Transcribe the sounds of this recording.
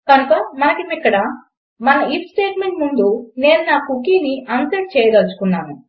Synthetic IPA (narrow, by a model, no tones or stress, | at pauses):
kɐnukɐmɐnɐkimikːɐɽɐ | mɐnɐipsʈeːʈme̞ɳʈmund̪une̞ːnunaːkukiːniʔɐnsɐʈ̚t͡ʃɛːjɐd̪ɐlt͡ʃu̥kunːaːnu